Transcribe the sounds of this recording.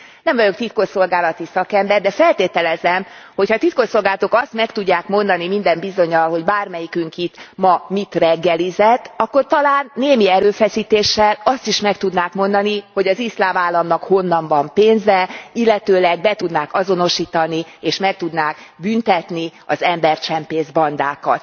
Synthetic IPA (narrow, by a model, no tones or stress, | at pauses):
nɛmvɒjo̞k̚t̪it̪̚koʃso̞lɡaːlɒt̪isɒkɛmbɛrd̪ɛfɛlt̪eːt̪ɛlɛzɛmho̞chɒt̪it̪koso̞lɡaːlɒt̪okɒst̪mɛkt̪uɟːaːkmo̞nd̪ɒnimind̪ɛmbizo̞ɲɒlɦo̞ɟbaːrmɛjikyŋkit̪mɒmit̪rɛɡːɛlizɛt̪ːɒkːo̞rt̪ɒlaːnːeːmiɛɾøːfɛsiːt̪eːʃːɛlɒst̪iʃmɛkt̪ud̪naːkmo̞nd̪ɒniho̞ɟɒzislaːmaːlːɒmnɒkho̞nːɒmbɒmpeːnzɛilːɛt̪øːlɛɡbɛt̪ud̪naːkɒzo̞no̞ʃiːt̪ɒnieːʃmɛk̚t̪ud̪naːkbynt̪ɛt̪niɒ̰zɛmbɛrt͡ʃɛmpeːzbɒnd̪aːkɒ̰t̪